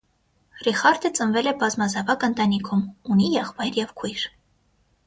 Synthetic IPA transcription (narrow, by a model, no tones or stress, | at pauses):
riχɑɾd̪ət͡sʼənvɛlɛbɑzmɑzɑvɑkənt̪ɑnikʰumunijɛχvɑjɾjɛvkʰujɾ